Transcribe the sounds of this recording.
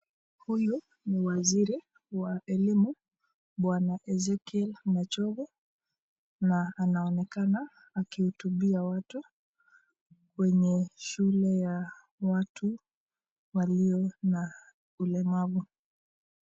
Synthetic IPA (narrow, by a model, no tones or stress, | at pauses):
huju | niwaziɾi | waɛlimu | ɓwanaʔɛzɛkiɛlnat͡ʃɔɡɔ | naːnaɔnɛkanaː | kihutuɓiawatu | kwɛɲɛʃulɛja | watʰu | waliɔna | ulɛmavu